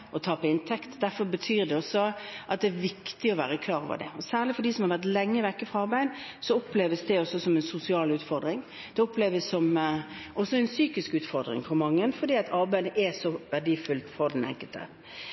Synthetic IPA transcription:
ʔɔt̪ʰɑːpɔɪnt̪ʰɛkt̪d̪æɾfɔɾbət̪ʰyːɾd̪ɛɔsɔʔɑt̪̚d̪ɛæːʋɪkt̪ɪɔʋæ̰ːʁəkʰlɑːɾɔ̰ʋə̰d̪ɛ̰ɔsæːʁlɭɪfɔd̪iːsɔmhɑɾʋæt̪lɛŋːəʋɛkːəfʁɑɑɾbæɪd̪ | sɔɔpleːʋəsd̪ɛɔsːɔsɔmɛnsʊsɪɑːlʉːt̪fɔɾd̪ɾɪŋ | d̪̥ɛɔpleːʋəsːɔm | ʔɔsːɔɛnsyːkɪskʉːt̪fɔɾd̪ɾɪ̰ŋfɔmɑŋːənfɔd̪iːɑt̪ʰɑɾbæɪd̪əʔɛsɔʋæʁɖiːfʉlt̪fɔʁd̪ɛnɛ̰ŋkəlt̪ʰə̰

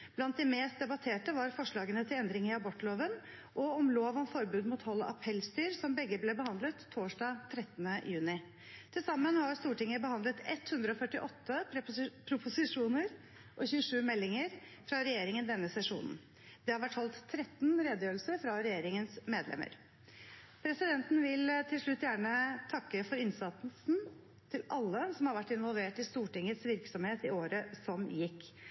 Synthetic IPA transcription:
b̥lɑnt̪̚d̪ɛmeːst̪̚d̪ɛbɑt̪ʰeːʈəʋɑɾfɔʂɭɑːɡənət̪ʰɪlɛnd̪ɾɪŋɪɑbɔʈloːʋən | ʔɔɔmloːʋɔmfɔɾbʉːd̪muːt̪hɔlːəʔɑpʰɛlst̪yːɾsɔmbɛɡːəblɛbəhɑnd̪lət̪ʰːoːʂɖɑːt̪ʰɾɛt̪ːənəjʉːnɪ | t̪ʰɪlsɑmːənhɑɾst̪uːʈɪŋːəbəhɑnd̪lət̪ɛt̪hʉnd̪ɾəɔfœʈːɪʔɔt̪ːəpʰɾʊpʊsɪʂuːnəɾ | ʔɔçʉːəʂʉːmɛlːɪŋəɾ | fɾɑɾɛjeːɾɪŋənd̪ɛnːəsɛʂṵːnn̩ | d̪̥ɛhɑɾʋæʈːhɔlt̪ʰːɾɛt̪nɾeːd̪əjøːɾl̩səɾfɾɑɾɛjeːɾɪŋənsmeːd̪lɛ̰mə̰ɾ | pʰɾɛsɪd̪ɛnt̪n̩ʋɪlt̪ʰɪlʂɭʉt̪ːjæːɳət̪ʰɑkːəfɔɾɪnsɑt̪l̩sn | t̪ʰɪlʔɑlːəsɔmhɑɾʋæʈːɪnʋɔlʋeːʈɪst̪uːʈɪŋːət̪sʋɪɾksɔmheːt̪ɪoːɾəsɔmjɪkː

